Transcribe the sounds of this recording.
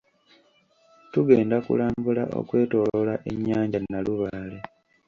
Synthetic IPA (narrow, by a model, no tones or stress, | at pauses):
tuɡe̞ːndakṵlaːmbulaʔo̰kwe̞ːto̞ːlolaʔeɲːaːɲɟanːaluβaːle